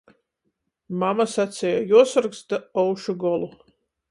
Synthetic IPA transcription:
mamasat̪sʲɛjajuɔsɔɾksd̪aɔwʃuɡɔlˠu

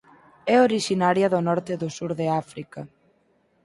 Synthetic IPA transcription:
ɛoɾiʃinaɾjɐðʊnɔɾt̪ɪðʊsuɾðeafɾikɐ

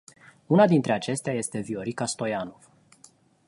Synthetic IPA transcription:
unad̪int̪ɾe̞at͡ʃe̞st̪eaje̞st̪e̞vio̞ɾikast̪o̞jano̞v̥

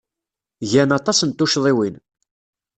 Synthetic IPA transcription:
ʝænɑt̪ˤɑsənt̪ːuʃðˤiwin

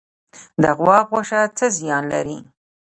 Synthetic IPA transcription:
d̪əɣwɑpwoʂat͡səzjɑnla̰ɾi

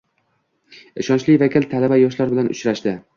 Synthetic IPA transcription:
ɪʃɒnt͡ʃlɪvakʲʰɪlt̪ʰalabajɒʃlaɾbɪlanʊ̰t͡ʃɾaʃd̪ɪ

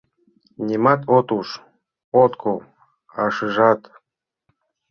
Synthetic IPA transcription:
nʲemɑt̪ot̪uʃ | ot̪kʰo | ɑʃɨʒɑt̪

